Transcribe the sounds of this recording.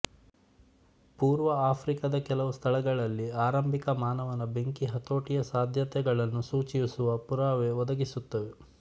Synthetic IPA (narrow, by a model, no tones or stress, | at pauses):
puːɾʋɐaːpʰɾikɐd̪ɐkɛlɐʋust̪ʰɐɭɐɡɐɭɐlːiaːɾɐmbʱikɐmaːnɐʋɐnɐbe̞ŋkiɦɐt̪o̞ːʈijɐsaːd̪ʱjɐt̪ɛɡɐɭɐnːusuːt͡ʃijisuʋɐpuɾaːʋeʋɔd̪ɐɡisut̪ːɐʋe